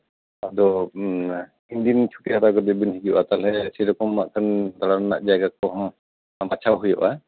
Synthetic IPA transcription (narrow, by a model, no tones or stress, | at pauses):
ad̪ɔ | ind̪int͡ʃʰu̥ʈihat̪akɔd̪ɛbinɦiɡɔʔat̪alɛsɛɾɔkɔma̰ʔkʰand̪aɽana̰ʔd͡ʒajɡakɔɦɔm | bat͡ʃʰawɦuja̰ʔa